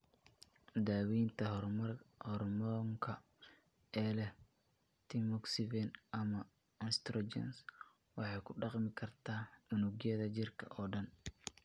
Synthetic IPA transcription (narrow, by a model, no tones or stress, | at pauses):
d̪aːwiːnt̪ʰɐɐrhɔrmɔŋkʰɐ | ɛːlɛh | t̪ʰimɔksɪvɛnʔɐmɐ | ɪnst̪ɾɔɛ̰ns | wɑħɑjkʰʊɖɑqmɪkʰɐrt̪ʰaːmʊnʊɡjɐðɐt͡ʃɪrkʰɐʔɔːɖɐn